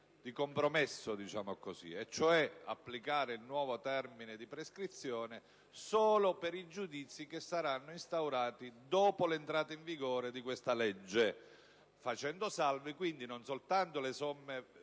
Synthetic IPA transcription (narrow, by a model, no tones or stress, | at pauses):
d̪ikompɾomesːod̪it͡ʃaːmokosḭet͡ʃːoɛa̰pːlikaːɾeilnwɔːvot̪ɛrmined̪ipɾeskɾit̪sːjɔːne | soːlopeɾid͡ʒud̪it̪sːikesːaɾanːoist̪awɾaːt̪id̪ɔːpolent̪ɾaːt̪aiɱviɡoːɾed̪ikwest̪alɛd͡ʒːe | fat͡ʃɛnd̪osalvikwind̪inonsolt̪ant̪olesɔmːe